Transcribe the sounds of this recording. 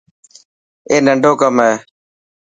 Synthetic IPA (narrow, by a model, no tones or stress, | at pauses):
eːnəɳɖʱoːkəmɦeː